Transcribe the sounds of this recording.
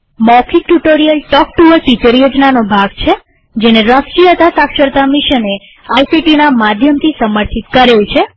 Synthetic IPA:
mɔkʰiʈuʈoɾijəlʈɔk̚ʈuʋəɾsit͡ʃəɾjod͡ʒnanobʱaɡt͡ʃʰe | d͡ʒeneɾəkʃijət̪asakʃəɾt̪amiʃəne | ajsiʈinamad̪ʱjəmt̪ʰisəməɾt̪ʰit̪kəɾet͡ʃʰe

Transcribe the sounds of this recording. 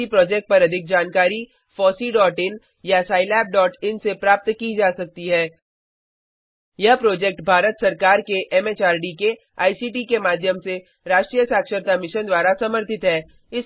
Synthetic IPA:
ipɾɔːd͡ʒɛːk̚ʈ̚pɐɾɐd̪ʱɪk̚d͡ʒaːnkaːɾi | fɔːsiɖɔːʈɪn | jasaːɪlɛːp̚ɖɔːʈɪnsepɾaːp̚t̪kid͡ʒaːsɐk̚t̪iɦɛː | jɐɦpɾoːd͡ʒɛːk̚ʈbʱaːɾət̪sɐɾkaːɾkeʔɛmeːt͡ʃaːɾɖike | aːisiːʈiːkemaːd̪ʱjəmse | ɾaːʃʈɾijəsaːkʃəɾt̪amɪʃənd̪waːɾasɐməɾt̪ɪt̪ɦɛː | ɪs

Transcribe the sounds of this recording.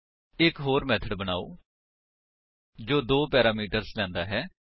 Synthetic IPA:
ɪkɦoːɾmɛːt̪ʰəɖbənaːoː | d͡ʒoːd̪oːpɛːɾaːmiːʈəɾzlɛ̃ːnd̪aːɦɛː

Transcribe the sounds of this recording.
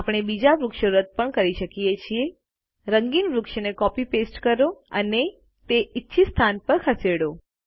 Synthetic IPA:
apɽ̃ebid͡ʒaʋɾʊkʃəɾət̪̚pəɳkəɾiʃəkijet͡ʃʰie | ɾəŋɡinʋɾʊkʃnekɔpipesʈkəɾoə̰ne | t̪eɪtːʃʰist̪ʰanpəɾkʰəseɽo

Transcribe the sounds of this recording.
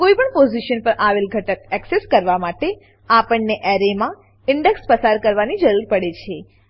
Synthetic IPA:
koipəɳpoziʃənpəɾʔaʋelɡʱəʈəkɛkseskəɾʋamaʈe | apəɳːeʔɛɾemã | ɪɳɖəkspəsaɾkəɾʋanid͡ʒəɾuɾpəɽet͡ʃʰe

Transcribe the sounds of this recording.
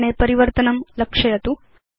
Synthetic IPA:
neːpɐɾiʋɐɾt̪ɐnɐmlɐkʂɐjɐt̪u

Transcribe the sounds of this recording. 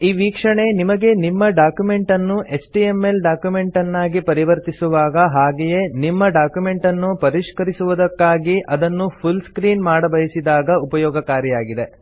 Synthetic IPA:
iːʋiːkʂɐɳe̞nimɐɡe̞nimːɐɖaːkjume̞ɳʈɐnːuʔe̞sʈiemːelɖaːkjume̞ɳʈɐnːaːɡipɐɾiʋɐɾt̪isuʋaːɡɐɦaːɡeje̞nimːɐɖaːkjume̞ɳʈɐnːupɐɾiʂkɐɾisuʋud̪ɐkːaːɡiʔɐd̪ɐnːupʰulskɾiːnmaːɽɐbɐjɐsid̪aːɡɐupɐjɔːɡɐkaːɾjɐjaːɡid̪e̞

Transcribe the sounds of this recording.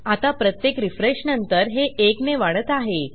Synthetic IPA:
at̪apɾət̪jekɾifɾeʂnənt̪əɾɦeʔekneʋaɽət̪aɦe

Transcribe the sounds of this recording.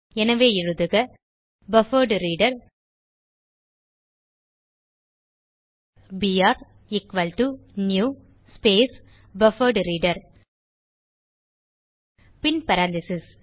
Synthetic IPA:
ɛnɐʋeːɪɻɯðɯɣɐ | bɐfɐɾɖɾiːɖɐɾ | bijaːɾ | ɪkʋɐlʈunjuː | speːs | bɐfɐɾɖɾiːɖɐɾ | pɪnpɐɾaːnd̪ɪsɪs

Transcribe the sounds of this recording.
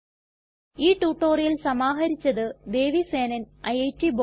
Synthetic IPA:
iːʈuːʈːoːrijɐlsɐmaːɦɐɾit͡ɕːɐðɨd̪e̞ːʋiseːnɐnɐjɐjtːib

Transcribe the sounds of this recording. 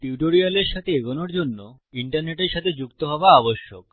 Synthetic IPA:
ʈiuʈoɾialeɾʃat̪ʰeeɡonoɾd͡ʑonːo | iɳʈaɾneʈeɾʃat̪ʰed͡ʑukt̪oɦɔbaɔboʃːok̚

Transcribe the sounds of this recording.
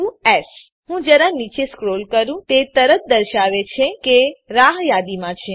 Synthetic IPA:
uɛs | ɦũd͡ʒəɾãnit͡ʃeskɾolkəɾũt̪et̪əɾət̪̚d̪əɾʃaʋet͡ʃʰekeɾaɦjad̪imãt͡ʃʰẽ

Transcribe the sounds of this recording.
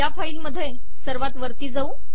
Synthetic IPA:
jafailməd̪ʱːje | səɾʋat̪ʋəɾt̪iːd͡zauː

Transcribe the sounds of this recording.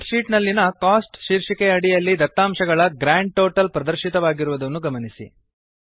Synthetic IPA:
ʈʃiːʈnɐlːinɐkaːsʈʃiːɾʂikɛɐɽijɐlːid̪ɐt̪ːaːmʃɐɡɐɭɐɡɾaːɳɖ̚ʈoːʈɐlpɾɐd̪ɐɾʃit̪ɐʋaːɡiɾuʋɐd̪ɐnːuɡɐmɐnisḭ

